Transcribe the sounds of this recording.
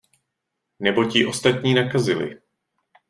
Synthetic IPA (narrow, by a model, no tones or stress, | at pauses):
nɛbo̞cɪʔo̞st̪at̪ɲiːnakazɪlɪ̰